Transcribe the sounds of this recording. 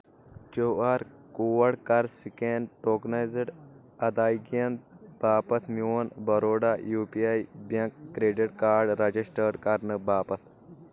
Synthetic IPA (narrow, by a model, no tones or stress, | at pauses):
koaːɾ | kuːʋɐɽkɐɾsikenʈoːknajziɖ | ɐd̪aːjɡiɐnb̥aːpɐt̪ʰmjoːnbɐɾoːɖajuːpiajbɐŋkːɾeːɖiʈkaːɾɖɾɐd͡ʒisʈəːɖkɐɾnɨbaːpɐt̪̚ʰ